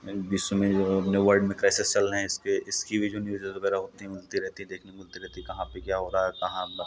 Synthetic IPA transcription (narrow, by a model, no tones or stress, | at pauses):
biːsõmẽd͡ʒoɐpneʋəɾɖmẽkɾaːɪsɪst͡ʃɐlɦɛ̃ɪskeʔɪskibʱid͡ʒoːnjuːzəzʋɐɡɛːɾaɦoːt̪iɦɛ̃ʊlt̪iɾɛɦt̪iɦɛ̃d̪eːkʰnemʊlt̪iɾɛɦt̪iɛkɐɦãpekjaːɦoːɾaɦɛkɐɦã